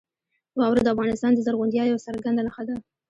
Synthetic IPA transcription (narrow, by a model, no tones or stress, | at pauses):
wɑwɾed̪əafɣɑnɪst̪ɑnd̪əzaɾɣʊnd̪jɑjawsaɾɡand̪anaxad̪a